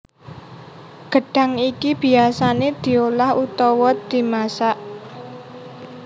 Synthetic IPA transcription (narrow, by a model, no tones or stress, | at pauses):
ɡ̥ə̤ɖ̥a̤ŋikib̥i̤asaned̪̥i̤olahut̪ɔwɔt̪̚d̪̥i̤masaʔ